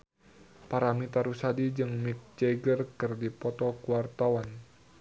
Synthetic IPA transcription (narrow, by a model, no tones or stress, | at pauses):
paɾamit̪aɾusadid͡ʒɨŋmik̚d͡ʒɛɡərkɨrdipɔt̪ɔkuwart̪awan